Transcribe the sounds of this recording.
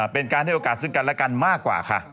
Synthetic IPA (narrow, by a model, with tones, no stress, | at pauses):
pe˧nkaː˧nt̪ʰa˥˩˨oː˧kaː˨˩t̪̚sɯ˥˩ŋka˧nlɛ˦˥ka˧nmaː˥˩kːwa̰ː˨˩kʰa̰˦˥˩ʔ